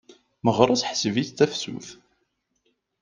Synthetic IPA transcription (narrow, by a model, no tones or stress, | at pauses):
məʁɾˤɑsħsəviθt̪æfsṵθ